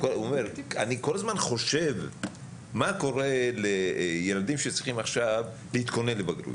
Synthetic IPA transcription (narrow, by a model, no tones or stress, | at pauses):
koomeɾa̰niko̞lazmanχo̞ʃe̞v | mako̞ʁe̞lejelad̪imʃet͡sʁiχimaχʃav | leit̪ko̞nenlebaɡɾṵ